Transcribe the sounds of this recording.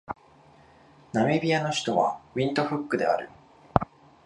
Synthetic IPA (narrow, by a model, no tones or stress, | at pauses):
name̞bʲiano̞çi̥t̪o̞βa̰mʲĩnt̪o̞ɸɯ̟kːɯ̟d̪e̞̰a̰ɾɯ̟̰